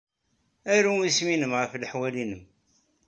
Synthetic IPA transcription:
æɾuisminəmʁəfləħwælinəm

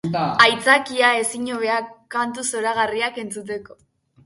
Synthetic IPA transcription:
ajt͡sakiae̞siɲoβe̞akant̪uso̞ɾaɣ̞ariake̞nt͡sut̪̬e̞ko̞

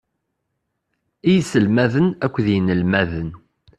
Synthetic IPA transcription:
ijsəlmæðənækʷːðjənəlmæðən

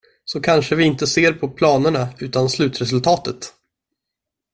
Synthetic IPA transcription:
sɔkʰanʂəvɪɪnt̪əseːɾpʰɔpʰlɑːnəɳaʉ̟ːt̪anslʉ̟ːt̪ɾɛsɵlt̪ʰɑːt̪ət̪

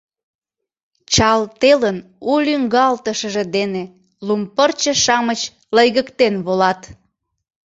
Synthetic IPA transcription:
t͡ɕɑlt̪elənulʲyŋɡɑlt̪əʃəʒed̪ene | lumpərt͡ɕə̆ʃɑmət͡ɕ | ləjɣəkt̪enβolɑt̪

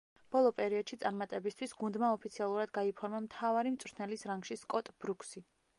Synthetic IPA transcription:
b̥ɔlˠɔpʼɛɾiɔd̪ʃit̪sʼaɾmat̪ʼɛbist̪ʰwisɡund̪maɔpʰit̪sʰialˠuɾad̪ɡaipʰɔɾmamt̪ʰavaɾimt̪sʼɾt̪ʰnɛlisɾaŋɡʃiskʼɔt̪ʼb̥ɾukʰsi

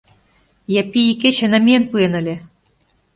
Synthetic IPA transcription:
jæpiiket͡ɕenæmienpuenə̆lʲĕ

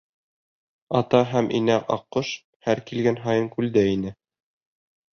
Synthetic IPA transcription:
ɑt̪ɑɦæmʔinæqɑ̰qːoʃ | hæɾkilɡænɦɑjɤŋkʉld̪æinɘ

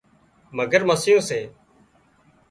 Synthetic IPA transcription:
məɡəɾməsɪjõːseː

